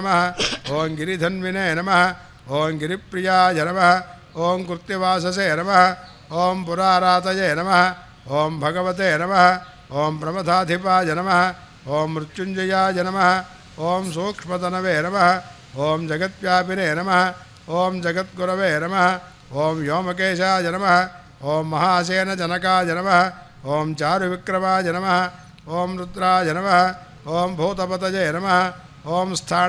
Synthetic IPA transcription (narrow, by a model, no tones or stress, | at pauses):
mɐɦɐ̆oːmɡiɾid̪ʱɐnʋineːnɐmɐɦɐ̆ | oːmɡiɾipːɾijaːd͡ʒɐnɐmɐɦɐ | oːmkuɾt̪jibaːsɐseːnɐmɐɦɐ̆ | oːmpuɾaːɾaːt̪ɐjeːnɐmɐɦɐ̆ | oːmbʱɐɡɐʋɐt̪̬eːnɐmɐɦɐ | oːmpɾɐmɐt̪ʰaːd̪ʱipaːd͡ʒɐnɐmɐɦɐ̆ | oːmɾutːt͡ʃuɲd͡ʒɐjaːd͡ʒɐnɐmɐɦɐ̆ | oːmsoːkʂmɐt̪ɐnɐʋeːnɐmɐɦɐ̆ | oːmd͡ʒɐɡɐt̪̚ʋjaːpineːnɐmɐɦɐ̆ | oːmd͡ʒɐɡɐt̪̚ɡuɾɐʋeːnɐmɐɦɐ̆ | oːmjoːmɐkeːʃaːd͡ʒɐnɐmɐɦɐ̆ | oːmːɐɦaːɐs̬eːnɐd͡ʒɐnɐkaːd͡ʒɐnɐmɐɦɐ̆ | oːmt͡ʃaːɾuʋikɾɐmaːd͡ʒɐnɐmɐɦɐ̆ | oːmɾut̪ɾaːd͡ʒɐnɐmɐɦɐ̆ | oːmbʱoːt̪ɐpɐt̪ɐd͡ʒeːnɐmɐɦɐ̆ | oːmst̪ʰaː